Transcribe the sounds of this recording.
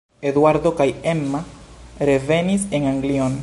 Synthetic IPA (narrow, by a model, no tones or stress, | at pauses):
eðwaɾd̪okajemːaɾeveniseŋaŋɡlion